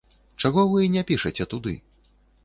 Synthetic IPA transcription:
t͡ʂaɣɔvɨnʲɛpʲiʂɐt͡sʲɛt̪ud̪ɨ̰

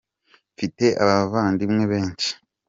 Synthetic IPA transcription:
fite̞ʔaβavaːndimŋe̞βe̞ːɲt͡ʃi̥

